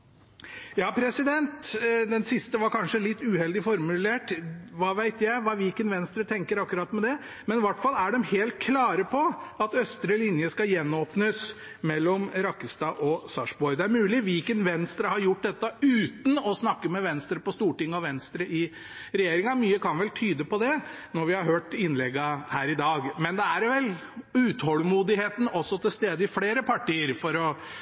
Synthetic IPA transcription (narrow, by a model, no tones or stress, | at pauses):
jɑːpʰɾɛsɪd̪ɛnt̪d̪ɛnsɪst̪əʋɑɾkʰɑnʂəlɪt̪ːʉːhɛld̪ɪfɔɾmʉleːʈʋɑːʋæɪt̪jæɪʋɑːʋiːkənʋɛnst̪ɾət̪ʰɛŋkəɾɑkːʉɾɑːt̪ːmɛd̪ɛ | mɛnʋɑʈfɑlːæɖɛmheːlt̪̚kʰlɑːɾəpʰɔɑt̪œst̪ɾəlɪnjəskɑjɛnːoːpnəs | mɛlːɔmɾɑkːəst̪ɑʔɔsɑʂbɔɾd̪ɛæɾmʉːlɪʋɪlkənʋɛnst̪ɾəhɑɾjʊʈ̚ːd̪ɛt̪ːəʉːt̪n̩ɔsnɑkːəmɛʋɛnst̪ɾəpɔst̪uːʈɪŋːɔʋɛnst̪ɾəʔɪ | ɾɛjeːɾɪŋɑmyːəkʰɑnʋɛlt̪ʰyːd̪əpɔd̪ɛnɔɾʋɪhɑɾɦøːʈɪnːlɛɡːəhæːɾɪd̪ɑːɡmɛnd̪ɛæɾʋɛl | ʉːt̪hɔlːmuːd̪ɪheːt̪n̩ɔsːɔt̪ʰɪlst̪eːd̪əɪfleːɾəpʰɑʈiːəɾfɔɾɔ